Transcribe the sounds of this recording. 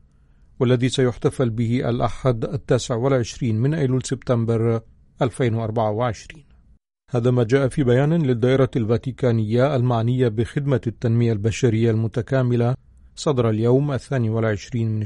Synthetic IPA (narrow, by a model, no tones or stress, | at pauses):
walːaðiːsajʊħt̪afalbɪhɪʔa̰lʔa̰ħad̪ʔat̪ːaːsɪʕwalʕɪʃɾiːnmɪnʔaluːlsɪbt̪ambɑɾˤ | ʔalfeːnwaʔɑɾˤbaʕawɪʕɪʃɾiːn | haːðaːmaːd͡ʒaːʔafiːbajaːnlɪd̪ːaːʔɪɾˤɑlvaːt̪ikaːnɪjːaːlmaʕnɪjːabɪxɪd̪mat̪ːanmɪjalbaʃaɾɪjːalmʊt̪akaːmɪla | sˤɑd̪ɾˤɑljawmʔaθːaːniːwalʕɪʃɾiːnmɪn